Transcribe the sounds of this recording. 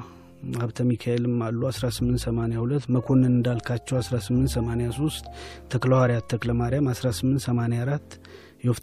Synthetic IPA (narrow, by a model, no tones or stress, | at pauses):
aβt̪ʰəmikʰaelɨmːalːuasɾasɨmːɨnt̪səmanejahulət̪ːməkʰo̞nːɨnɨnd̪alkʰat͡ʃːɛwasɾasɨmːɨnt̪səmanejaso̞st̪t̪ʰːəkləwaɾjat̪ʰːəkləmaɾijamasɾasɨmːɨnt̪səmanejaɾat̪ː | jɛwf